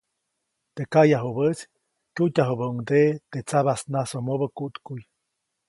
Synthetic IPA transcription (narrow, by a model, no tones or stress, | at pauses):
t̪ekajaɦubət͡s | kʲutʲaɦubəuŋd̪et̪et͡saβasnasomobəkuʔt̪kuj